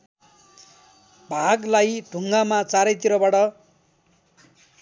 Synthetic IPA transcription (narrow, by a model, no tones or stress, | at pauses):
bʱaɡlajd̪ʱuŋɡamat͡saɾʌjt̪iɾʌbaʈʌ